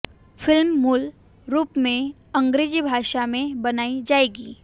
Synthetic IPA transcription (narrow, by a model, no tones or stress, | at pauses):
fɪlmːul | ɾuːpmẽ | ɐ̃ŋɡɾeːd͡ʒibʱaːʃamẽbɐnaːid͡ʒaːeːɡiː